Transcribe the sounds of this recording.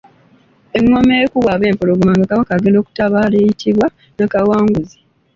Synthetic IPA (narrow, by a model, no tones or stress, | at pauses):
eŋːomeːkuwaβe̞ːmpoloɡmaŋɡakaβakaɡendo̞ːku̥taβaːlejitʰiβwa | nakawaːŋɡuzi̥